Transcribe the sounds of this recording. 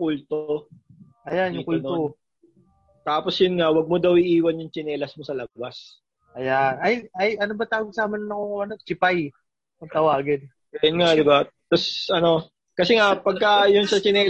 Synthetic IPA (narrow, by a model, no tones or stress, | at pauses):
kult̪o | ʔɐjanjʊŋkulno | t̪aːposjʊnŋawɐɡ̚mod̪ɐwɪʔiːwɐnjʊŋt͡ʃɪnɛːlɐsmosɐlɐbas | ʔɐjanʔɐjɐjʔɐnobɐt̪aːwoɡsaːmɐnɐnɐŋoŋʔɐnot͡ʃɪpaj | pɐɡ̚t̪ɐwaːɡɪd̪̚ | ɡɐjʊnŋad̪ɪbat̪ɐsʔɐno̞ | kɐsɛŋapɐɡ̚kɐjʊnsɐt͡ʃɪnɛː